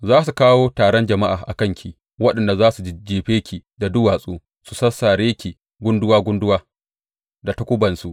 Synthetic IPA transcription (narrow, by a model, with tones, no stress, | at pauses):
zaː˦su˨kaː˦woː˦taː˨ɽɔ˦nd͡ʒɐ˨ma˦ʔaː˨ʔa̰˨kɐ˦˨ŋkʲʰi˨ | wɐ˦ɗɐ˨nda˨zaː˦su˨d͡ʒi˦d͡ʒeː˨ɸeː˦kʲʰi˨da˨dʊ˦waː˨sʼuː˦ | su˨sɐ˦sːaː˨ɾeː˦kʲi˨ | ɡʷʊ˦ndʊ˦waː˦ɡʷʊ˦ndʊ˦waː˦ | da˨tɐ˦kʷʊ˦bɐ˨nsu˨ʔ